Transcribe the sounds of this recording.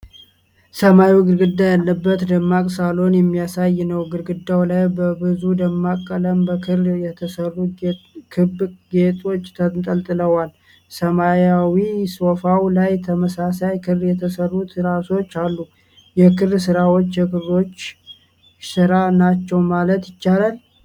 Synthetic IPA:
səmajiwɡɨɾɡɨd̪ːajalːəbːət̪d̪əmːakʼsalo̞njɛmːijasajːnəwɡɨɾɡɨd̪ːawlajbəbɨzud̪əmːakʼːələmbəkʰɨrjɛt̪ʰəsərːukʰɨbɡet̪ʼo̞t͡ʃːt̪ʰət̪ʼəlt̪ʼɨləwal | səmajawiso̞fawlajt̪ʰəməsasajkʰɨrjɛt̪ʰəsərːut̪ɾaso̞t͡ʃːalːu | jɛkʰɨrsɨɾawo̞t͡ʃːjɛkʰɨro̞t͡ʃː | sɨɾanat͡ʃːɛwmalət̪jɪt͡ʃːalal

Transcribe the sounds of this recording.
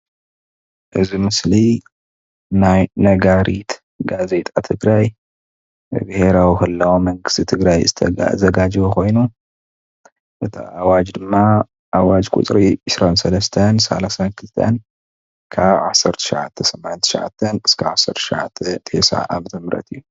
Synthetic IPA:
ʔɨzimɨsli | najnɐɡaɾit̪ | ɡaze̞t̪ʼat̪ʰɨɡɾaj | bɨheɾawixɨlːɐwomɐŋɡɨst̪ʰit̪ʰɨɡɾajzɨt̪ʰɐ̰zɐɡad͡ʒiwoko̞jnu | ʔɨt̪ʰa̰ʔawad͡ʒd̪ɨmːa | ʔawad͡ʒkʼṵt̪ʼɾiʕɨsɾansɐlɐst̪ʰɐnsa̰lasankʰɨlt̪ʰɐ̰n | kʰaβʕasɐɾt̪ʰɐ̥ʃɪʕa̰t̪ʰːɐsɐmnt̪ʰɨ̥ʃɪʕa̰t̪ʰːɐnɨskʰaβʕasɐɾt̪ʰʃɪʕa̰t̪ʰːɛt̪ʰḛsa̰ʔa̰βt̪ʰɨmɾɐ̰t̪ʰɨjːu

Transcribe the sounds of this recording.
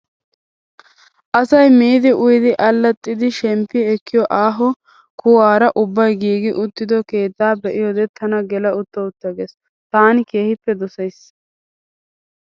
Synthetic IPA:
ʔɐsɐjmiːd̪ɪʔʊjɪd̪ɪʔɐlːɐt̪ʼːɪd̪ɪʃɛmpːɪɛkːɪjɔʔaːɦɔ | kuaːɾɐʔʊbːɐjɡiːɡɪʔʊt̪ːɪd̪ɔke̞ːt̪ːaːbɛʔɪjod̪ɛt̪ʰɐnɐɡɛlɐʊt̪ːɐʊt̪ːɐɡes | t̪aːnɪke̞ːhɪpːɛd̪ʊsɐjs

